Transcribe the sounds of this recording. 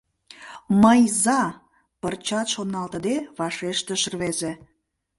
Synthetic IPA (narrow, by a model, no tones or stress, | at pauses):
məjzɑ | pərt͡ɕɑt̪ʃonɑlt̪ə̆d̪eβɑʃeʃt̪əʃərβeze